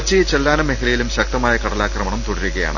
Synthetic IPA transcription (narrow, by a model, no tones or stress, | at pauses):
t͡ɕːijt͡ɕelːaːnɐmːeɦɐlɐjilumɕɐk̚t̪ɐmaːjɐkɐɽɐlaːkrɐmɐɳɐmt̪uɽɐɾuɣɐja̰ːɳɨ